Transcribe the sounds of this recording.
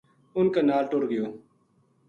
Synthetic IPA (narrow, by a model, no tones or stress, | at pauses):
ʊnkeːnaːlʈoɾɡɪjoː